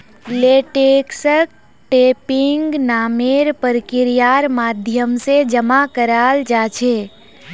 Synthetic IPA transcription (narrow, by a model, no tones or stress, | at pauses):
leːʈeːksək̚ | ʈeːpɪŋɡnaːmeːɾpəɾkɪɾijaːɾmaːd̪ʱjəmsed͡ʒəmakəɾaːld͡ʒaːt͡ʃʰeː